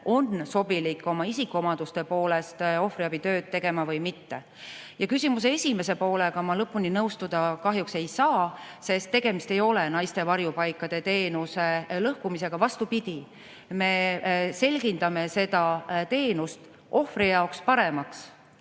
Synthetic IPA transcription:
o̞nso̞bilikːˑo̞mɑisikːˑuo̞mɑd̪̥ust̪e̞po̞ːle̞st̪o̞fɾiɑb̥it̪ø̞ːd̪̥̚t̪ːe̞ɡ̥e̞mɑvɤjmit̪ːe̞ | jɑkysʲimus̬ee̞sʲime̞se̞po̞ːle̞ɡ̥ɑmɑlɤpːˑuninɤwst̪ud̪̥ɑkɑɦjukse̞jsɑː | se̞st̪ːe̞ɡ̥e̞mist̪e̞jo̞lenɑjst̪e̞vɑɾjupɑjkːˑɑd̪̥e̞t̪e̞ːnuse̞lɤhkumise̞ɡ̥ɑvɑst̪upid̪̥ʲi | me̞se̞lʲɡ̥ind̪̥ɑme̞se̞d̪̥ɑt̪e̞ːnust̪ | ʔo̞frɾijɑokspɑɾemɑks

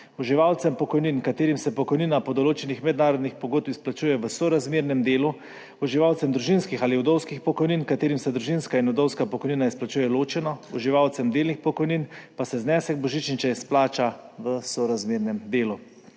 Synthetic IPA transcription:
ɔʒiʋaːwt̪sɛmpɔkɔjninkat̪eːɾimsɛpɔkɔjniːnapɔd̪ɔloːt͡ʃɛnixmɛd̪naːɾɔd̪nixpɔɡoːd̪̚pisplat͡ʃuːjɛʋəsɔɾazmeːɾnɛmd̪eːlu | ɔʒiʋawt̪sɛmd̪ɾuʒinskixaːliɔd̪ɔwskixpɔkɔjninkat̪eːɾimsɛd̪ɾuʒinskainɔd̪ɔwskapɔkɔjninaisplat͡ʃuːjɛloːt͡ʃɛnɔɔʒiʋawt̪sɛmd̪eːlnixpɔkɔjninpasɛznɛːsɛɡbɔʒit͡ʃnit͡ʃɛisplaːt͡ʃaʋəsɔɾazmeːɾnɛmd̪eːlu

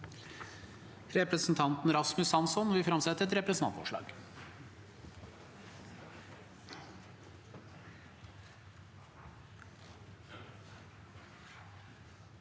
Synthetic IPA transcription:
ɾɛpɾəsn̩t̪ʰɑnt̪n̩ɾɑsmʉsɑnsɔnʋɪfɾɑmsɛt̪ːəɾɛt̪ɾɛpɾəsən̩ɑ̰t̪fɔ̰ʂɭɑ̰ːɡ̥

